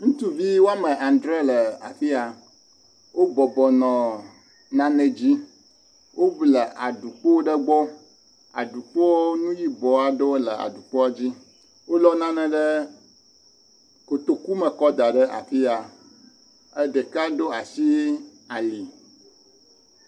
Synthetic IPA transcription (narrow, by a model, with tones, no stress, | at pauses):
ŋũ˦t̪u˦vi˦wo˦a˦mə̃˨ʔa˨nd̪ɾe˦lə˨a̰˨fi˦a˨ | wʔo˦bɔ˨bɔ˨nɔ̃˨ | nã˦nɛ̃˨d͡ʑi˦ | wʔo˦blə˨ʔa˨ɖu˨k͡po˦wo˦ɖə˦ɡ͡bɔ˦ | a̰˨ɖu˨k͡pɔ˦wnũ˦ji˦bɔ˨a˨ɖo˦lə˨a̰˨ɖu˨k͡pɔ˦a˦d͡ʑi˦ | wo˦lɔ˦nã˦nɛ̃˨ɖə˦ | ko˨t̪o˦ku˦mə˨kɔ˦d̪a˨ɖə˦ʔa̰˨fi˦a˨ | ə˦ɖə˨ka˦ɖo˦a˨si˦ | a˨li˨